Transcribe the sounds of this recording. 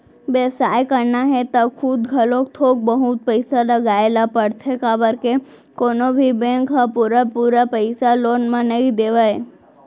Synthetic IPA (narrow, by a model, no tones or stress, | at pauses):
ʋeʋsajkəɾnaɦet̪akʰud̪ɡʱəlokt̪ʰok̚bəɦut̪̚pəjsaləɡaelapəɽt̪ʰekabəɾke | konobʱibẽŋkɦapuɾapuɾapəjsalonmãnəid̪eʋaj